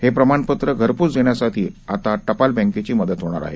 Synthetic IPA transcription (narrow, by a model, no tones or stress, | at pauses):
hepɾəmaɳpət̪ɾəɡʱəɾpuːt͡sd͡zeɳjasaʈʰiːat̪aʈəpalbə̃ŋket͡ɕiːməd̪ət̪ɦoɽ̃a̰ɾa̰ɦḛ